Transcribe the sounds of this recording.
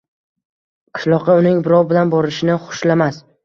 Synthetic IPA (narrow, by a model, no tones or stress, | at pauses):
qʰɨ̥ʃlˠɒqɑʊnɪŋbɪɾɒwbɪlanbɒɾɪʃɪnɪχʊ̥ʃlamas